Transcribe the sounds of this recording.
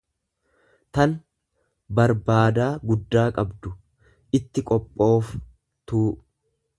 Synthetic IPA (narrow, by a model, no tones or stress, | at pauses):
t̪ɐn | bɐɾbaːd̪aːɡʊd̪ːaːkʼɐbd̪ʊ | ʔɪt̪ːɪkʼɔpʼːo̞ːf | t̪uː